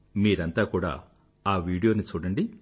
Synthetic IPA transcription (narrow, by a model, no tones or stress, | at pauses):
miːɾɐnt̪aːkuːɽa̰ː | aːʋiːɽijo̞ːnit͡ʃuːɽɐɳɖi